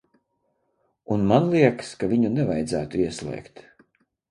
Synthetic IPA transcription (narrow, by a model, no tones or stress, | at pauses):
unmanlˠiɛkskavʲiɲunɛvajd̪zæ̰ːt̪uiɛslˠɛ̰ːkt̪